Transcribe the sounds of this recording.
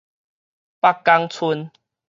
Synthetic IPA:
pa˦˧kːa˧ŋt͡sʰu˧n

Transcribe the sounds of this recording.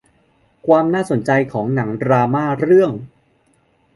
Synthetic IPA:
kʰwaː˧mnaː˥˩so˩˦nt͡ɕa˧jkʰɔː˩˦ŋna˩˦ŋɾaː˧maː˥˩ɾɯ˥˩əŋ

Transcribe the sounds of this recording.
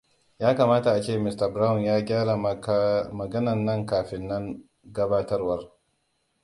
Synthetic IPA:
jaː˦kaː˨maː˦ta˨ʔa˨t͡ʃeː˦˨mɪ˦stɐ˨bɾa˦wʊ˨njaː˦ɡʲaː˦ɾa˨ | mɐ˨ɡɐ˦nɐ˨nːɐ˦˨ŋkaː˨ɸɪ˨nːɐ˦ŋ | ɡɐ˦baː˦tɐ˦rwɐ˦r

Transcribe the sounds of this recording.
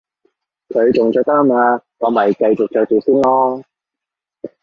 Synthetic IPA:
kʰɵ˨˧ɥt͡ʃʊ˨˩ŋt͡ʃœː˧k̚t̪ɐ˥maː˧ŋɔː˨˧mɐ˨jkɐ˧jt͡ʃʊ˨k̚t͡ʃœː˧k̚t͡siː˨˩wsiː˥nlɔː˥

